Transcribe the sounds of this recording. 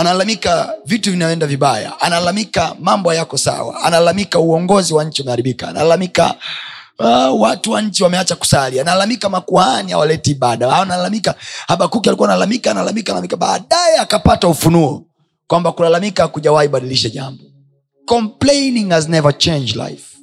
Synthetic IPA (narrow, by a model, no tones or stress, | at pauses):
analalamikavituvinaɔɛndaviɓaja̰ʔanalalamikamambɔjakɔsa̰wa̰a̰nalalamikauɔŋɡɔziwaɲ̩t͡ʃiamɛhaɾiɓikaa̰na̰lalamika̰ | watuwaɲ̩t͡ʃiwamɛat͡ʃaku̥salianalalamikamakuhaniha̰walɛtiːɓaɗaanalalamikahaɓakukialikuanalalamikaːnalalamikalalamikaɓa̰ːɗajɛakapataufunuɔ̰ | kwambakulalamikakuʄawahiɓaɗiliʃaʄambɔ | kɔmpleniŋaznɛvat͡ʃɛ̃nd͡ʒla̰jf